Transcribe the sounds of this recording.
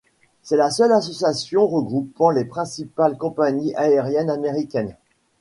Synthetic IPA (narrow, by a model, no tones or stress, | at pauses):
sɛlasœlasɔsjasjɔ̃ʁəɡʁupɑ̃lepχɛ̃sipalkɔ̃paɲiʔaeʁjɛnameʁikʲɛn